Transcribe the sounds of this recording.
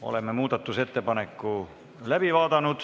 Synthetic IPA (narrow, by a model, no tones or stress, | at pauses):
o̰lemːemuːt̪ɑt̪ːuset̪ːepɑnekːu | læpiʋɑːt̪ɑnut̪